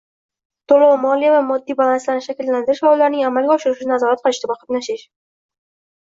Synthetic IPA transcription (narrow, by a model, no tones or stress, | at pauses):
t̪ʰolˠamɒlijavamɒd̪ːijbalanslanɪʃakʲɪlːand̪ɪɾɪʃfawlːaɾnɪŋamalˠɡʲaɒʃɪɾɪʃɪnazɒɾat̪̚qʰɨlˠɪʃt̪ʰɪbɒqʰɑt̪naʃɪʃ